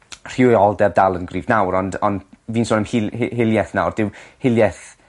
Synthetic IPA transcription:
r̥ɪwɔlˠdɛbdalˠənɡriːvnawɾɔndɔ̰ndviːnsoːnəmhɪhɪlˠjɛθna̰wrd̥ɪwhɪlˠjɛθ

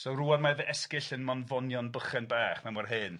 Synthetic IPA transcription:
sowruːarmaðəɛskɪɬənmɔnvɔnjɔnbəχɛnbaːχmɛmarɦɨːn

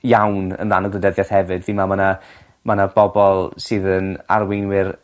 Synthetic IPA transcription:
jawnə̰nranɔɡlˠədɛðjaθhɛvɨdðimamana | manab̥ɔbɔlˠsɨːðəna̰rwejnwɪr

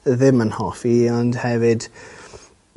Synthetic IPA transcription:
ðɪmənhɔfiɔndhɛvɪd̥

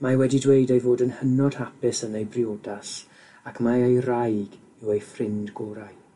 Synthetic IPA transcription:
mawɛdidwejdejvoːdənhənɔd̥hapɪsənejbriodas | akʰmaejrajɡ | ɪwejfrɪndɡoːɾaj

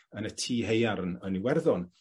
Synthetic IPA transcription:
ənətʰiːhejaɾənəniwɛrðɔn

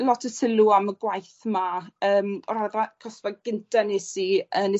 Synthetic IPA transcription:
lɔtʰəsɪluaməɡwajθmaəːmɔɾaðakʰɔsvaɡ̥ɪntʰanesiənɪ

